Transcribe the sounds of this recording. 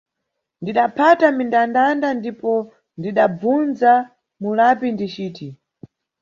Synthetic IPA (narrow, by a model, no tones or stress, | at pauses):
ndiɗapʰatamindandandandipɔ | ndiɗab͡vunza | mulapindit͡ʃiːti